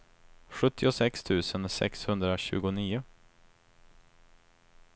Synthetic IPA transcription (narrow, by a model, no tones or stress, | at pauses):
ɧɵt̪ʰːɪʊsɛkst̪ʰʉ̟ːsənsɛ̰kshɵnd̪ɾaɕʉ̟̰ːɡʊniːʊ